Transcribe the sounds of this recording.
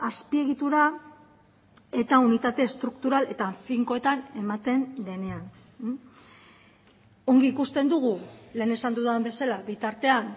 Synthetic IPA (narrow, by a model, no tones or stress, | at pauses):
aspie̞ɣit̪uɾa | e̞t̪aunit̪at̪e̞ːst̪ɾukt̪uɾale̞t̪aɱfiŋko̞e̞t̪ane̞mat̪e̞nd̪e̞ne̞an | o̞ŋɡiːkust̪e̞nd̪uɣ̞ule̞ːne̞sand̪uðambe̞salaβit̪aɾt̪e̞an